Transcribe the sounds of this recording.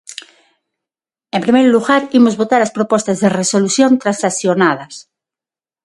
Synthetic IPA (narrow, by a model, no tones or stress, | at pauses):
ẽmpɾimejɾluɣaɾimozβot̪aɾaspɾopost̪azðeresoluθjont̪ɾansaθjonað̞ɐs